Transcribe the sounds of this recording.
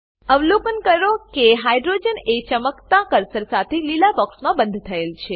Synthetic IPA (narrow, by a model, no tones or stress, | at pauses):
əʋlokənkəɾokeɦajɖɾod͡ʒənet͡ʃəməkt̪ãkəɾsəɾsat̪ʰelilabɔksmãbə̃nd̪ʱt̪ʰəelt͡ʃʰe